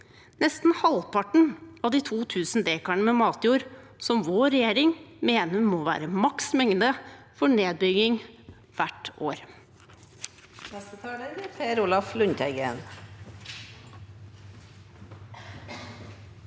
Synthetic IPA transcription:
nɛst̪n̩hɑlpʰɑʈɳ̩ɑʋd̪iːt̪ʰuːt̪ʰʉːsn̩d̪eːkɑɳəmɛmɑːt̪juːɾ | sɔmʋoːɾɛjeːɾɪŋmeːnəmoːʋæ̰ːɾəmɑksmɛŋd̪ə | fɔɳeːd̪̚bʏɡɪŋ | ʋæʈʔoːɾ | nɛst̪ət̪ʰɑːləbɪpʰeːɾuːlɑflʉɲt̪ʰæɪɡə̰n

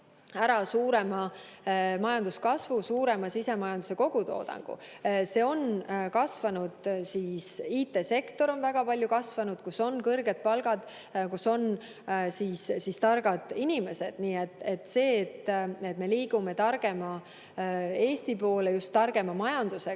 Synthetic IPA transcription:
æɾɑsuːɾe̞mɑ | mɑjɑnd̪uskɑsvusuːɾe̞mɑsise̞mɑjɑnd̪u̥se̞ko̞ɡ̥ut̪o̞̰ːd̪̥ɑ̰ŋɡ̥ṵse̞ːo̞nkɑsvɑnud̪̥siːsiːt̪ːˑe̞se̞kt̪o̞ɾo̞nvæɡ̥ɑpɑlʲjukɑsvɑnud̪̥kuso̞nkɤrɡe̞d̪̥̚pɑlɡ̥ɑd̪̥ | kuso̞n | siːssist̪ɑrɡ̥ɑd̪̥inʲime̞se̞d̪̥niːet̪ːˑe̞t̪ːse̞ːt̪ːˑe̞t̪ːme̞liːɡ̥ume̞t̪ɑrɡ̥e̞mɑ | e̞ːst̪ipo̞ːlejust̪ːɑrɡ̥e̞mɑmɑjɑnd̪̥use

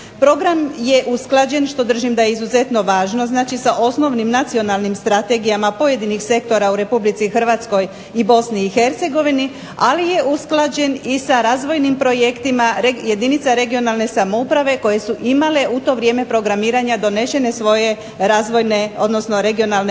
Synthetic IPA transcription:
pɾo̞ɡɾamje̞ʔusklˠad͡ʑe̞nʃt̪o̞d̪r̩ʒimd̪ajeizuze̞t̪no̞ʋaːʒno̞znaːt͡ʃisaʔo̞sno̞ʋnimnat̪sio̞nalnimst̪ɾat̪e̞ɡijamapo̞je̞d̪inixse̞kt̪o̞ɾauɾe̞publit̪sixr̩ʋaːt̪sko̞j | ibo̞sniːxe̞ɾt̪se̞ɡo̞ʋini | alije̞ʔusklad͡ʑe̞nisaɾaːzʋo̞jnimpɾo̞je̞kt̪imaɾje̞d̪init̪saɾe̞ɡio̞nalne̞samoupɾaʋe̞ko̞je̞suʔimale̞ʔut̪o̞ʋɾʲje̞ːme̞pɾo̞ɡɾamiːɾaɲad̪o̞ne̞ʃe̞ne̞sʋo̞je̞ | ɾaːzʋo̞jneo̞d̪no̞sno̞ɾe̞ɡio̞nalˠne

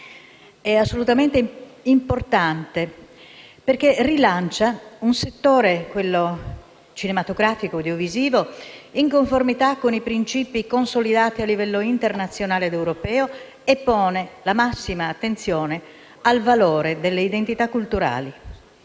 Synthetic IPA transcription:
ɛasːolut̪ament̪eimport̪ant̪e | perk̟erilant͡ʃaunset̪ːoːɾekwelːo | t͡ʃinemat̪oɡɾaːfikod̪eoviziːvoiŋkoɱformit̪akːonipɾint͡ʃiːpikonsolid̪aːt̪ialːivɛlːoint̪ernat̪sːjonaːled̪ewɾopɛːo | epːɔːnelamasːimaːt̪ːent̪sjɔːne | alvalɔːɾed̪elːeid̪ent̪it̪akːult̪uɾa̰ːli

